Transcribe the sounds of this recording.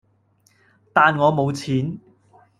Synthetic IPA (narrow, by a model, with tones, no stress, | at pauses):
t̪aː˨˧nŋɔː˨˧mo˨˧wt͡sʰiː˨˥n